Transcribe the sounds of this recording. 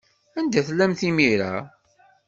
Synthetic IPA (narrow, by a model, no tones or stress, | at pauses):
ænd̪æθlːæmθimiɾa̰